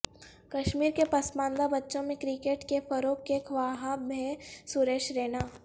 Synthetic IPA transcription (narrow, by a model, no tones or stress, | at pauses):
kɐʃmiːɾkepɐsbãːnd̪abɐtːʃõmẽkɾikeːʈkefɐɾoːkːekʰʋaːɦabʱesuɾeːʃɾeːnaː